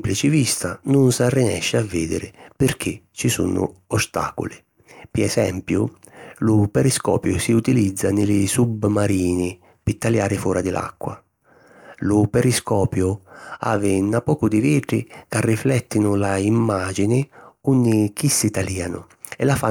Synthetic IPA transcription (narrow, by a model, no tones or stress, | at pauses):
plit͡ʃɪvist̪anʊnsarːinɛ̰ʃːɪavːiːd̪ɪ̰ɾɪpɪɾk̟ʰɪ | t͡ʃisṵnʊ̰ɔst̪a̰ːkʊ̰lɪ | piɛsɛmpjʊ | lʊpɛɾiskɔ̰ːpjʊsiut̪ilid̪zːanɪlɪsubmaɾiːnɪ | pit̪ːaljaːɾɪfɔːɾad̪ɪlʔa̰kːwa | lʊpɛɾiskɔːpjʊa̰ːvɪnapɔːkʊd̪ɪviːʈ̪ɾɪ̰karːiflɛt̪ːinʊlaimːaːd͡ʒinɪunːɪk̟isːit̪aliːanʊ̰ | ɛlafa